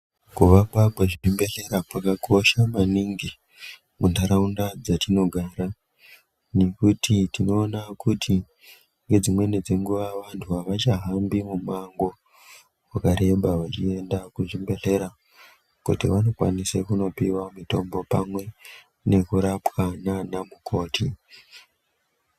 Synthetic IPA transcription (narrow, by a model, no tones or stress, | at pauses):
kuʋakwakweʐiimbe̞ɬe̞ɾapakaɡʱo̞ʃamaniŋɡi | mundaɾaundad͡zatino̞ɡʱaːɾa | ne̞kutʰitino̞ːnakutʰi | ŋɡe̞d͡zimwe̞ned͡zeŋɡuʋaʋantʰuɦaʋat͡ʃaɦambimumaŋɡo̞ | wakaɾe̞ɓʱaʋat͡ʃie̞ndakuʐimbe̞ɮe̞ɾa | kutiʋano̞kwa̰nisekuno̞piwamuto̞mbo̞pamwe̞ | ne̞kuɾapwananamukʰo̞ːti